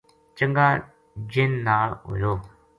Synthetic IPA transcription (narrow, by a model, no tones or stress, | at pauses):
t͡ʃəŋɡaː | d͡ʒɪnːaːlɦo̰ːjoː